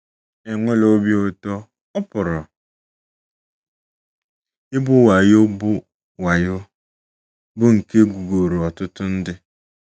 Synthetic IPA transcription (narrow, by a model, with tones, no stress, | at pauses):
e˨ŋʷe˦lo˦bi˦ʊ˦tɔ˦ | ɔ˦pʊ˨ɾɔ˨ | ɪ˦bʊ˦wa˨jʊ˦bʊ˦ | wa˨jʊ˦ | bʊ˦ŋ̩˨ke˦ɡu˨ɡo˨ɾu˨ɔ˨tʊ˦tʊ˦n̩˦dɪ˦